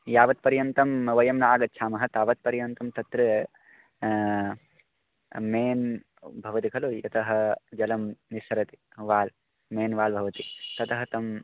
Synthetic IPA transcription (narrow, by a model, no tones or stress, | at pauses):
jaːʋɐt̪̚pɐɾjɐnt̪ɐmʋɐjɐmnɐaːɡɐt̪̚ːt͡ʃʰaːmɐɦɐt̪aːʋɐt̪̚pɐɾjɐnt̪ɐmt̪ɐt̪ɾɐ | meːn | bʱɐʋɐt̪ikʰɐlujɐ̰t̪ʰɐɦɐ̆d͡ʒɐlɐmnisɐɾɐt̪i̥ | ʋaːl | meːnʋaːlbʱɐʋɐt̪it̪ɐt̪ʰɐɦɐt̪ɐm